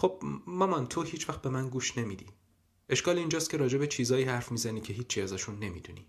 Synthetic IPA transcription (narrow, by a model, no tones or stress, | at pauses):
xo̞b̥mɒmɒnt̪ʰo̞hiːt͡ʃʰvæxt̪̚be̞mænɡuːʃne̞miːd̪ḭː | ʔe̞ʃkɒːliind͡ʒɒːst̪̚cʰe̞ɾɒːd͡ʒe̞bet͡ʃʰiːzɒːiːhæɾfmiːzæniːcʰe̞ɦiːt͡ʃʰːiæzɒʃunːe̞mḭd̪unḭ